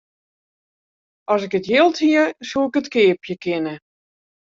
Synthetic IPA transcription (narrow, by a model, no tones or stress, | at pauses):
ʔɔsɪkətjɪlˠthiəsuɪkətkɪːpjəkʰɪnə